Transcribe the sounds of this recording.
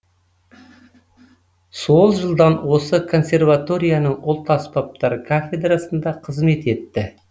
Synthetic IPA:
so̞lˠʒəlˠd̪ɑnwo̞səkʰo̞nsʲe̞rvat̪o̞ɾʲijanəɴolˠt̪ɑspap̚t̪ɑɾkʰafʲe̞d̪rasənd̪ɑqʰəzme̞t̪e̞t̪ːɪ

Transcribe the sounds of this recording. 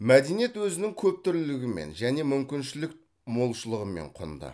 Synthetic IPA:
mæd̪e̞nijet̪wɵzɪnɪŋkʲʰɵp̚t̪ʏɾlɪɡʲɪmḛnʒæne̞mʏmkʲɪnʃɪlɪk | mo̞lˠʃəlˠəʁəme̞̰ɴqʰo̰nd̪ə̰

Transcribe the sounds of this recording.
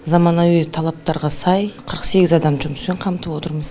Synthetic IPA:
zɑmɑnɑwt̪ʰɑlˠɑp̚t̪ɑɾʁɑsɑjqʰəɾəqse̞ɡʲɪzɑd̪ɑmʒʊməspe̞ɴqʰɑmt̪əpwo̞t̪əɾməz̥

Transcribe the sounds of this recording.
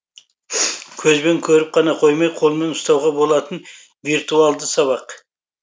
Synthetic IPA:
kʲʰɵzbe̞ŋkʲʰɵɾɪp̚qʰɑnɑqʰo̞jmɑjqʰo̞lˠme̞nʊst̪ɑwʁɑbo̞lˠɑt̪ən | viɾt̪ualˠd̪əsɑβɑq

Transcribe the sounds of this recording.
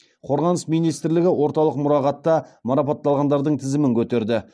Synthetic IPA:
qʰo̞ɾʁɑnəsmijnijst̪ɪɾlɪɡʲɪwʔo̞ɾt̪ɑlˠəqmʊɾɑʁɑt̪ːɑmɑɾɑpɑt̪ːɑlˠʁɑnd̪ɑɾd̪əɴt̪ʰɪzɪmɪŋkʲʰɵt̪e̞ɾd̪ɪ

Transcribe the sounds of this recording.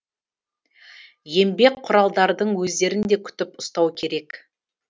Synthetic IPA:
je̞mbe̞kqʰːʊɾɑlˠd̪ɑɾd̪əɴwɵzd̪e̞ɾɪnd̪e̞kʲʰʏ̥t̪ɪpʊst̪ɑwkʲʰe̞ɾe̞k

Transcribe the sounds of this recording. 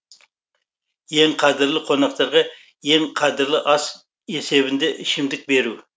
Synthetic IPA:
je̞ŋqʰɑd̪ɪɾlˠɪqʰo̞nɑq̚t̪ɑɾʁɑ | je̞ŋqʰɑd̪ɪɾlˠɪʔɑs | e̞se̞bɪnd̪e̞ʔɪʃɪmd̪ɪk̚be̞ɾu

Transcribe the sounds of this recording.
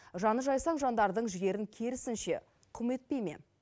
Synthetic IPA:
ʒɑnəʒɑjsɑɴʒɑnd̪ɑɾd̪əɴʒɪɡʲe̞ɾɪŋkʲʰe̞ɾɪsɪnʃe̞̰ | qʰʊme̞t̪̚pe̞jme̞̰

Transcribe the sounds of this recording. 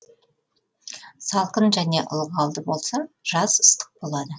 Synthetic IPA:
sɑlˠqənʒæne̞ʔʊ̰lˠʁɑlˠd̪əbo̞lˠsɑʒ̥ɑzə̥st̪ə̥q̚bo̞lˠɑd̪ə

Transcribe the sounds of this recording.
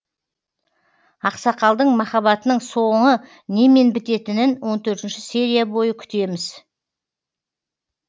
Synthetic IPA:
ɑqsɑqɑlˠd̪əɴmɑχɑβɑt̪ənəɴso̞ɴə | ne̞me̞nbɪt̪e̞t̪ɪnɪnwo̞nt̪ʰɵɾt̪ɪnʃɪse̞ɾʲijabo̞jəkʲʰʏ̥t̪e̞mɪz

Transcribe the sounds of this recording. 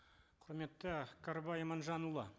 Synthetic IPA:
qʰʊɾme̞t̪ːəkʰaɾbajmɑnʒɑnulˠɑ̰

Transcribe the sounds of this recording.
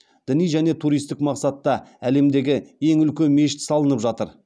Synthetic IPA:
d̪̥ɪnijʒæne̞t̪ʰuɾijst̪ɪkmɑqsɑt̪ːɑæle̞md̪e̞ɡʲɪje̞ŋʏlkʲe̞nme̞ʃɪ̥t̪sɑlˠənəpʒɑt̪əɾ

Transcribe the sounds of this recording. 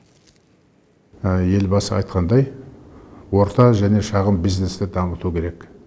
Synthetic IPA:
je̞lbɑsəɑ̰jt̪̚qɑnd̪ɑj | wo̞ɾt̪ɑʒæne̞ʃɑʁəmbiznest̪ɪd̪ɑmət̪ukʲʰe̞ɾe̞k

